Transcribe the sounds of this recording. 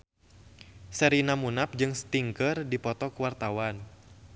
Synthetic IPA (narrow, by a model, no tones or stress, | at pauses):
səɾinamunap̚d͡ʒɨŋst̪iŋkərdipɔt̪ɔkuwart̪awan